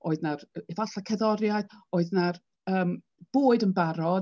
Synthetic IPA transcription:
oːɨðnarɛvaɬakʰɛðɔɾjaɨðoːɨðnar | əːm | b̥oːɨdənbaɾɔ

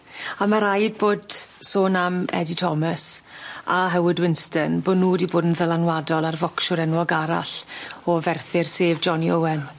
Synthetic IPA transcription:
amaɾajd̚boːd̥soːnamɛ̰ditʰɔməsaɦɛwɪdwɪnstənboːdnuːdiboːdn̩ðəlanwadɔlˠarvɔkʃʊɾɛnwɔɡaɾa̰ɬɔvɛrθɪrseːvd͡ʒɔniowɛn

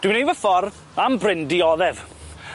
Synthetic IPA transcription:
d̥wɪnejvəfɔr | ambrɪndiɔðɛv

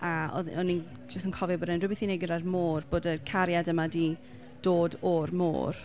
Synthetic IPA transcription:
aɔ̰ɔni | d͡ʒəstənkʰɔvibɔɾɛnrʊbɪθinɛɡɪɾarmoːrb̥oːdəkʰaɾjadəmadi | d̥oːdɔrmo̰ːr

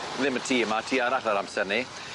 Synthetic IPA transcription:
ðɪmətʰiːmatʰiːaɾaɬaɾamsɛrni

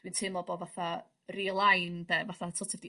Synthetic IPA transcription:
d̥wintʰɨmɔbɔvaθa | rilˠajnbɛvaθatʰotʰɛvdi

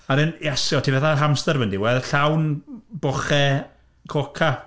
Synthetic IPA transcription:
aɾɪnjɛsɔtʰivɛθaɦamstəɾvəndiwɛðɬawnbɔχɛ | kʰokʰa

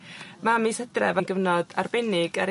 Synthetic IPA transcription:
mamisədrɛ̰vanɡəvnɔda̰rbɛnɪɡaɾ

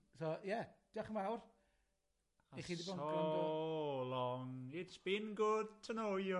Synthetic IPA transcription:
sojɛd̥iaχəmawr | aeχiːdibɔno | lɔŋɪtsb̥ɪnɡʊd̥̚tʰənojə

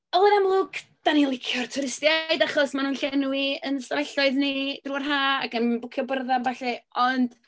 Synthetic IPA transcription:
ɔlˠənamlˠʊɡd̥anilˠɪkʰjɔrtʰʊɾɪstjajdaχɔsmanuːnɬɛnwiənstavɛɬɔɨðnid̥ruːarɦaːaɡənbʊkʰjɔbərðavaɬɛɔnd̥

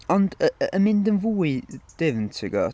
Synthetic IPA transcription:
ɔndəəmɪndənvuːɨd̥ɪvntʰɪɡɔ̰

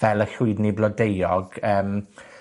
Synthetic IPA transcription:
ɛlˠəɬʊɨdniblˠɔdejɔɡ̥əːm

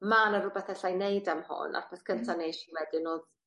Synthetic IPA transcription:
manərʊbɛθɛɬajnejdamhʊ̰na̰rpʰɛθkʰəntʰanejʃiwɛdɪnoːð

